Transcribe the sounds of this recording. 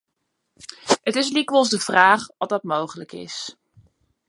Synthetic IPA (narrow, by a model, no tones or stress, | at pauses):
ətɪs̬likʋəlˠzdəv̥raːχʋɑtdɑtmowχələkɪ̰s